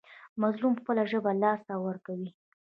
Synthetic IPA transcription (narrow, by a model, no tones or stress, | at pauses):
mazlumxpəlaʒəbalɑst̪awəɾkawi